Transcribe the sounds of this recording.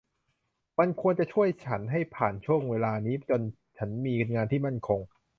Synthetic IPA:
ma˧nkʰu˧ənt͡ɕa˨˩t͡ɕʰu˥˩əjt͡ɕʰa˦˥nɦa˥˩jpʰaː˨˩nt͡ɕʰu˥˩əŋweː˧laː˧niː˦˥t͡ɕo˧n | t͡ɕʰa˦˥nmiː˧nŋaː˧nt̪ʰiː˥˩ma˥˩nkʰo˧ŋ

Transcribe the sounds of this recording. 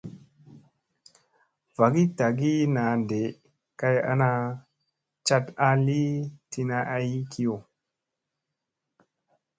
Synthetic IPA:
va˨ɡi˦ta˨ɡi˦na˨nde˨ | ka˦ja̰˦na˧ | t͡ʃa˦ta˦li˦ti˦na˦ʔa˦ji˦kʰi˦jo˨

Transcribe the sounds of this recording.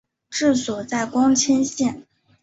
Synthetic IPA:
ʈ͡ʂɻ̩˥˩swɔ˨˩t͡sa˥˩ɪkwɑ˥ŋt͡ɕʰɛ˥nɕjɛ˥˩n

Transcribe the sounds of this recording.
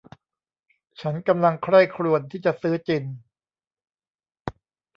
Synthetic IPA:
t͡ɕʰa˦˥nka˧mla˧ŋkʰɾa˥˩jkʰɾu˨˩ənt̪ʰiː˥˩t͡ɕa˨ʔsɯː˦˥t͡ɕi˧n

